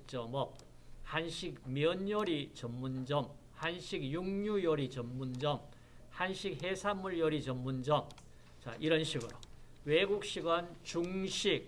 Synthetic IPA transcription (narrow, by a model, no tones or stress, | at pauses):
t͡ɕ͈ʌmʌk̚ | hanɕʰik̚mjʌnjʌɾit͡ɕʌmːund͡ʑʌm | hanɕʰikjuŋɲujʌɾit͡ɕʌmːund͡ʑʌm | hanɕʰik̚ɦesʰamːuɭjʌɾit͡ɕʌmːund͡ʑʌm | t͡ɕa̰ʔiɾʌnɕʰiɡɯɾo | weɡuk̚ɕ͈iɡʌnt͡ɕuŋɕʰik̚